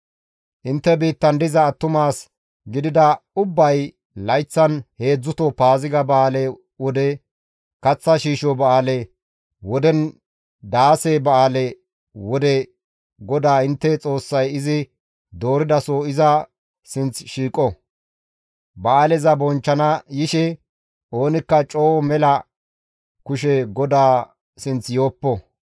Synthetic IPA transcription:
ʔɪnt̪ːɛbiːt̪ːɐnd̪ɪzɐːt̪ːʊmaːs | ɡɪd̪ɪd̪ɐʊbːɐj | lɐjt͡sːɐnhe̞ːd͡zːʊt̪ɔpaːzɪɡɐbɐaːlɛ | wɔd̪ɛ | kɐt͡sːɐʃiːʃɔbɐaːlɛ | wɔd̪ɛn | d̪aːsebɐaːlɛ | wɔd̪ɛ | ɡɔd̪aːɪnt̪ːɛt͡sʼo̞ːsːɐjɪzɪ | d̪o̞ːɾɪd̪ɐsoɪzɐ | sɪnt͡sʃiːkʼɔ | bɐʔaːlɛzɐbɔnt͡ʃːɐnɐjɪʃɛ | o̞ːnɪkːɐt͡ʃʼoːmɛlɐ | kʊʃ̬ɛɡɔd̪aː | sɪnt͡sjoːpːɔ

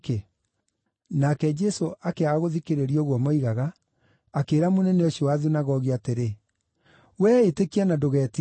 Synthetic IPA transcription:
ke | nakɛd͡ʒɛsoʔakeaɣoðikeɾeɾioɣwɔmɔiɣaɣaː | keːɾamonɛnɛoɕiɔwaðinaɣɔɣiateɾe | wɛːetekianadoɣɛːti

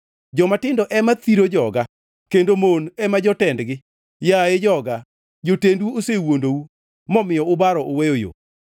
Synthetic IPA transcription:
d͡ʒɔmatɪndɔʔɛmat̪iɾod͡ʒɔɡa | kendomonɛmad͡ʒɔtɛndɡɪ | jaed͡ʒɔɡa | d͡ʒotendwuosewondou | mɔmɪjɔʊbaɾɔʔowejojo̰

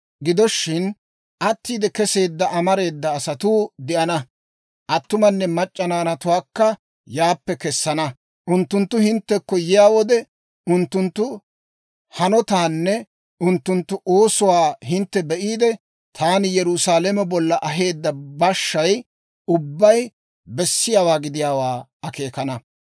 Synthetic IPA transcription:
ɡɪd̪ɔʃːɪn | ʔɐt̪ːiːd̪ɛkɛse̞ːd̪ːɐʔɐmɐɾe̞ːd̪ːɐːsɐt̪uːd̪ɪʔɐnɐ | ʔɐt̪ːʊmɐnːɛmɐt͡ʃʼːɐnaːnɐt̪ʊwaːkːɐ | jaːpːɛkɛsːɐnɐ | ʔʊnt̪ːʊnt̪ːʊhɪnt̪ːɛkːɔjɪjaːwɔd̪ɛ | ʊnt̪ːʊnt̪ːʊ | hɐnɔt̪aːnːɛ | ʔʊnt̪ːʊnt̪ːʊʔo̞ːsʊwaːhɪnt̪ːɛbɛʔiːd̪ɛ | t̪ʰaːnɪjɛɾʊsaːlɛmɛbɔlːɐʔɐɦe̞ːd̪ːɐbɐʃːɐj | ʊbːɐj | bɛsːɪjaːwaːɡɪd̪ɪjaːwaː | ɐke̞ːkɐnɐ

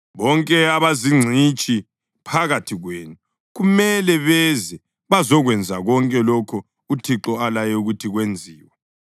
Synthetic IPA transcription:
βɔŋkʼɛaβaziŋ͡ǀʱit͡ʃʼi | pʰaɣatʰiɣweːnu | ɣumɛlɛβɛzɛ | βazɔɣwɛnd͡zʱaɣɔŋkʼɛlɔkʰɔ | utʰiǁɔalajɛuɣutʰiɣwend͡zʱiːwɛ

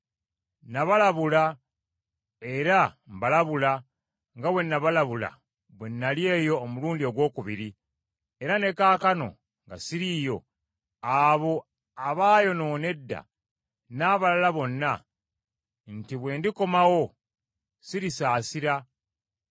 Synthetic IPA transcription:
naβalaβula | e̞ɾambalaβula | ŋɡawe̞nːaβalaβula̰ | βwenːalje̞ːjo̞ːmuluːndioɡwo̞ːkuβiɾi | e̞ɾane̞kaːkano̞̰ | ŋɡa̰siɾiːjo̞̰ | aβo̞ | aβaːjo̞no̞ːne̞dːa̰ | naːβalalaβo̞nːa | ntiβwe̞ːndiko̞mawo̞ | siɾisaːsiɾa

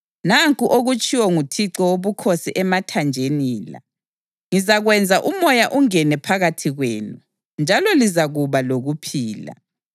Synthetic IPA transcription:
naŋkʼuʔoɣut͡ʃʼʰiwɔŋutʰiǀɔwoβukʰosiʔɛmatʰand͡ʒʱeniːla̰ | ŋizaɣwɛnd͡zʱaʔumɔjaʔuŋɛnɛpʰaɣatʰiɣweːnu | nd͡ʒʱalɔlizaɣuβaloɣupʰiːla̰

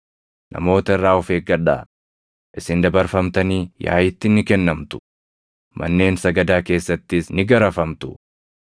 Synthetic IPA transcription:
nʔɐ̰mo̞ːt̪ɐɪrːaːɔfeːk̚ɡɐᶑa̰ː | ʔɪsɪnd̪ɐbɐɾfɐmt̪ɐniːja̰ːjɪt̪ːɪnɪkɛnːɐmt̪ʊ̥ | mʔɐ̰nːe̞ːnsɐɡɐd̪aːke̞ːsːɐt̪ːɪsnɪɡɐɾɐfɐmt̪ʊ̥

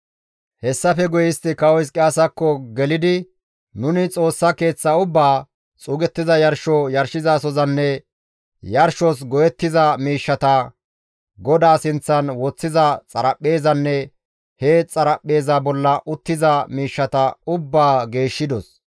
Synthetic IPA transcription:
hɛsːɐfɛɡʊjɪst̪ɪkɐwɔjs̬kʼɪaːsɐkːɔɡɛlɪd̪ɪ | nʊnɪt͡sʼo̞ːsːɐke̞ːt͡sːɐʊbːaː | t͡sʼuːɡɛt̪ːɪzɐjɐɾʃɔjɐɾʃɪzaːsɔzɐnːɛ | jɐɾʃɔs̬ɡɔjɛt̪ːɪzɐmiːʃːɐt̪ɐ | ɡɔd̪aːsɪnt͡sːɐnwɔt͡sːɪzɐt͡sʼɐɾɐpʼːe̞ːzɐnːɛ | het͡sʼɐɾɐpʼːe̞ːzabɔlːɐʔʊt̪ːɪzɐmiːʃːɐt̪ɐʊbːaːɡe̞ːʃːɪd̪ɔs

